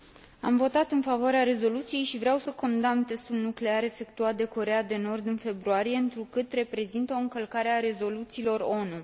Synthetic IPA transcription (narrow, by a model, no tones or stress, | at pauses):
a̰mvo̞t̪at̪ɨnfavoaɾeaɾe̞zo̞lut̪sije̞jʃivɾeawsəko̞nd̪amt̪e̞st̪ulnukle̞aɾe̞fe̞k̚t̪uat̪̚d̪e̞ko̞ɾejad̪e̞no̞rd̪ɨnfe̞bɾuaɾije̞ɨnt̪ɾukɨt̪re̞pɾe̞zint̪əo̞ɨŋkəlkaɾeaɾe̞zo̞lut̪siːlo̞ro̞nu